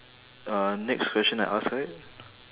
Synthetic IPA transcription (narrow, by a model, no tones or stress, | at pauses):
anɛkskʰwɛst͡ʃə̃naɪʔa̰sat̚